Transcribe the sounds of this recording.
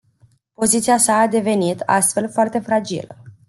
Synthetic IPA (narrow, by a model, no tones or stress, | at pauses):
po̞zit̪siasaːd̪e̞ve̞nit̪ʰa̰st̪fe̞lfoart̪e̞fɾad͡ʒḭlə